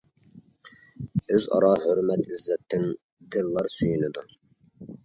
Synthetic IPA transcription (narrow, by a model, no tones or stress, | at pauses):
øzɑ̰ɾɑhøɾmɛt̪ʰizːɛp̚t̪ʰːɪn | d̪ɪlːɑɾsyjynɪd̪u